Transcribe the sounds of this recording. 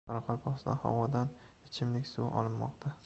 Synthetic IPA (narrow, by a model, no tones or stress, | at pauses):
ɑɾɑqʰɒlˠpʰɒʁsd̪a̰hɒ̰wɒd̪an | ɪt͡ʃʰɪmlɪkʲsuʔɒ̰lˠɪnmɒ̰qt̪ʰa